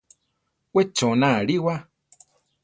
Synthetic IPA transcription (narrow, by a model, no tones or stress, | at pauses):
wet͡ʃõnãɺiwa